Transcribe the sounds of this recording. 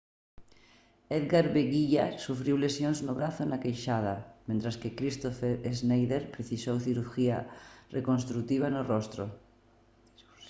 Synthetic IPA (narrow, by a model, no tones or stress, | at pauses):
eðɣaɾβeɣiʎa̰sufɾiwlesjonznoβɾaθonakejʃað̞amẽnt̪ɾaskekɾist̪ofeɾeznejðeɾpɾeθisowθiɾuɾxiarʔekonst̪ɾuk̚t̪iβ̞anorost̪ɾo̰